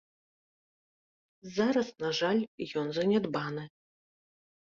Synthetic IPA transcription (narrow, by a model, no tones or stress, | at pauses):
zaɾɐsnaʐalʲjɔnzɐnʲɛd̪banɨ